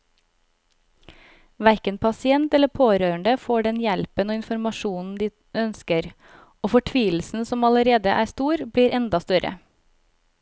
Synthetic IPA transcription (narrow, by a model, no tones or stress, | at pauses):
ʋæɾkənpʰɑsɪɛnt̪ɛləpʰoːɾøːəɳɖəfoːɖɛnjɛlpənoːɪnfɔɾmɑʃuːnn̩d̪iː | œnskəɾ | oːfɔʈʰʋiːl̩sn̩sɔmɑləɾeːd̪əʔæːst̪uːɾbɽiːɾʔɛnd̪ɑst̪œɾʔə̰